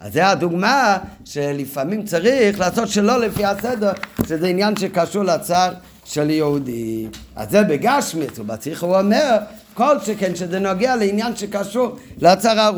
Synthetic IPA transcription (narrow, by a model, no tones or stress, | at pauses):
a̰zɛad̪uɡma | ʃelɪfamimt͡saʁiχlaːsɔtʃɛloləfihasɛdəʁʃɛzɛinjanʃekaʃuʁlat͡saʁ | ʃɛljɛud̪ia̰zɛbeɡaʃmisuba̰t͡siχuɔmɛʁkolˠʃekɛnʃezɛnɔɡealɪinjanʃekaʃuɾlɪat͡saʁaʁ